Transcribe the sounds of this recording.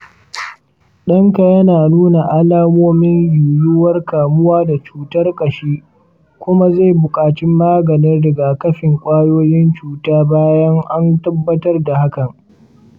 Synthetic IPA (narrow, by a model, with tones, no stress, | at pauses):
ɗɐ˦ŋka˨jɐ˦naː˨nuː˦na˨ʔa˦laː˦moː˦mɪ˦ɲjuː˨jʊ˦wɐ˦rkaː˨mʊ˦waː˦da˨t͡ʃuː˨tɐ˦rkʼɐ˨ʃiː˦ | kʷʊ˦ma˦za˦˨jbʊ˨kʼaː˨t͡ʃɪ˦mːaː˦ɡɐ˨nɪ˦rdɐ˨ɡa˨kɐ˦ɸɪ˨ŋkʷʼaː˦joː˦jɪ˦nt͡ʃuː˨taː˦baː˦jɐ˦ŋʔa˦ntɐ˦bːɐ˦tɐ˦rda˨ha˦kɐ˨ŋ